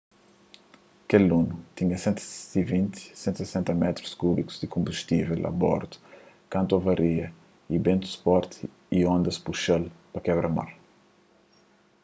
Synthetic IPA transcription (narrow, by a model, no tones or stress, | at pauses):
kelunut̪ĩɲɐsẽnt̪ivĩnt̪sẽnt̪usesẽnt̪ɐmɛt̪ɾu̥skubiku̥zd̪ikõmbuʃt̪ivɛlɐ̰bɔ̰ɾt̪u̥ | kɐ̃nt̪ovɐɾiɐ | ibẽnt̪u̥spɔɾt̪ | iõnd̪ɐspuʃɐlpɐkɛβɾɐma̰ɾ